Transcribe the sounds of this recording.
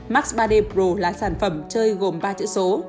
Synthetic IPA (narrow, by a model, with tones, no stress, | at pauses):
ma˦˥k̚sɓaː˧ɗe˧pɹo˧˩laː˨˩saː˧˩nfə˧˩mt͡ɕəː˧jɣo˨˩mɓaː˧t͡ɕɨ̰˧˥so˨˦